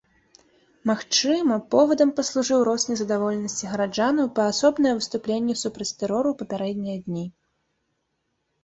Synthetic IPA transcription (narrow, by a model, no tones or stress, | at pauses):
maxt͡ʂɨmɐpɔvɐd̪ɐmpɐslˠuʐɨwɾɔsʲnʲijzɐd̪avɔlʲɛnɐsʲt͡sʲiɣɐɾad͡ʐanɐwpɐːsɔbnɐjɐvɨst̪uplʲenʲːɛsupɾɐt͡sʲt̪ɛɾɔɾupɐpʲaɾɛd̪ʲnʲɛjɐd̪ʲnʲi